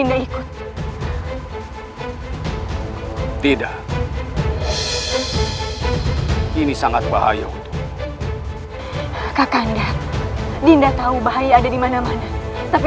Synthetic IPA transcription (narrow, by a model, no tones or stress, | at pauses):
indaikʊt̪̚ | t̪idaʔ | inisaŋat̪̚baɦa̰ja̰ut̪ | kakanda | dindat̪aubaɦajaːdadimanamanat̪api